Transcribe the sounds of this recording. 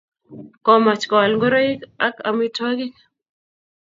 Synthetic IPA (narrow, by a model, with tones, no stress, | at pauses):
kɔ˨ma˨t͡ʃkɔ˨lŋɡo˦ɾo˦i˦ka˦ka̰˨mi˦ta˦ɡi˦k